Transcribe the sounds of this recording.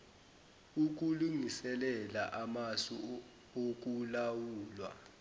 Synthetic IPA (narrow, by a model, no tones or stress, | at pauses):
uk̬uluŋisɛlɛla̰ʔamasu | ok̬ʼulawuːlwa̰